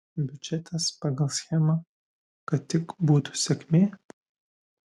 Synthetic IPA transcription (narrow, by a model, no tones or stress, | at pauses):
bʲyd͡ʒʲɛt̪ʰɐspɑɡɐlˠsʲxʲɛmɐ | kɐtt̪ʲːɪkbuːt̪u̥sʲɛkʲmʲeː